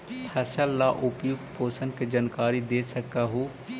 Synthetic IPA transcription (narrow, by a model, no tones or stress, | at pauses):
pʰɛsəlːaʔʊpjʊk̚t̪̚pʰoːsənked͡ʒankaːɾid̪eːsəkaɦuː